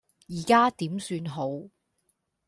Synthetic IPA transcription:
jiː˨˩kaː˥t̪iː˨˥msyː˧nɦo˨˥w

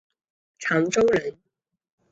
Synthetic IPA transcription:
t͡sʰa˨˥ŋʈ͡ʂo˥wlə˨˥n

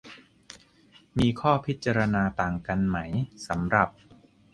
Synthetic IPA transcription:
miː˧kʰɔː˥˩pʰi˦˥t̪̚t͡ɕa˧ɾa˧naː˧t̪aː˨˩ŋka˧nma˦˥jsa˩˦mɾa˨˩p̚

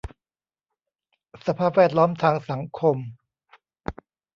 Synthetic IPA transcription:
sa˧pʰaː˥˩p̚wɛː˥˩t̪̚lɔː˦˥mt̪ʰaː˧ŋsa˩˦ŋkʰo˧m

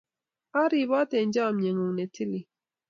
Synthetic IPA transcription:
a˦ɾi˨βɔ˦tɛ˨n˦d͡ʒa˦˨mɲe˨ŋu˨ŋne˨ti˦li˨

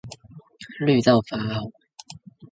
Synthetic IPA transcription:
ly˥˧t̪ɑ˥˩ʊfa˨˧˥a˨˩

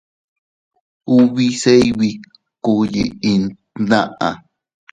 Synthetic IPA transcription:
u˦βi˦˧se˦iβi˧ | ku˧ji˧i˧n | nã˦ʔa̰˨

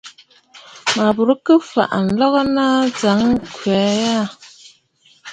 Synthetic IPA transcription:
ma˨bu˨ɾə˦kə˦fa̰˨ʔn̩˨lɔ˦ɣə˦na˦d͡za˨˦ŋ˦kwɛ˨˦ja˦˨

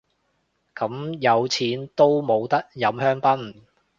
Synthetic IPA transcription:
kɐ˨˥mjɐ˨˧wt͡sʰiː˨˥nt̪o˥wmo˨˧wt̪ɐ˥k̚jɐ˨˧mhœː˥ŋpɐ˥n

